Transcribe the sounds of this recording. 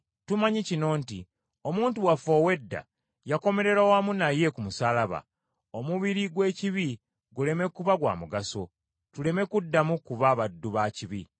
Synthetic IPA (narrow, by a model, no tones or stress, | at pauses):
tumaɲicino̞ːnti | o̞muːntuwafo̞we̞dːa̰ | jako̞me̞ɾe̞ɾawaːmunaje̞kumusalaβa̰ | o̞muβiɾiɡwe̞ːciβi | ɡule̞me̞kuβaɡwa̰ːmuɡaso̞̰ | tule̞me̞kudːamukuβaβadːuβaːciβḭ